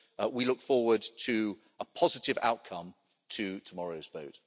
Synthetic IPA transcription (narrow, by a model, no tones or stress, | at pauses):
wilʊkfɔːwədtʰə | əpʰɒzɪtɪva̰ʊʔ̚kʰʌ̃m | tʰətʰəmɒɹəʊzvəʊt